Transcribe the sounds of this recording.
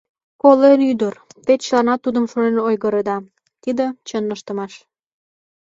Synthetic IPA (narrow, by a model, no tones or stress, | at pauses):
kolenyd̪ərt̪et̪t͡ɕəlɑnɑt̪ud̪əmʃonenojɣəɾed̪ɑ | t̪id̪ə̆t͡ɕənəʃt̪ə̆mɑʃ